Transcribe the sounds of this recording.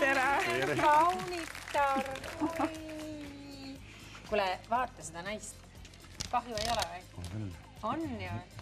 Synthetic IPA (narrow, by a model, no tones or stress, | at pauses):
t̪eɾɑɑwnit̪ːor | kulɛvɑːt̪ːˑɑsed̪̥ɑnɑjst̪ | kɑɦjuejo̞lɛ | onjɑ